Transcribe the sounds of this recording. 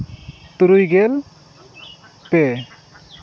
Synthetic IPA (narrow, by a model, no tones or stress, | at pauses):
t̪uɾujɡɛl | pɛ